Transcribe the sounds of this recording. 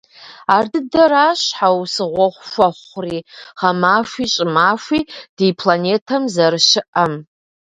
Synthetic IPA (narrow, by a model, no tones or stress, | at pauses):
ardɨdɐɾaʃħawsɨʁʷɔχʷʃʷaχʷriχamaːʂʷit͡ʃʼɪmaʂʷid̥ipʰlanetʰamzarʃɪʔam